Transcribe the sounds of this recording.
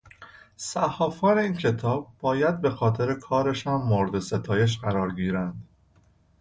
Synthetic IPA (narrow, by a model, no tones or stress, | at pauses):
sæhɒːfɒːne̞iːncʰe̞t̪ʰɒːb̚ːɒːjæd̪̚be̞xɒːt̪ʰe̞ɾe̞kʰɒːɾeʃæmːoɾed̪ese̞t̪ʰɒːje̞ʃ̬ɢæɾɒːɾɟiːɾænd̪̥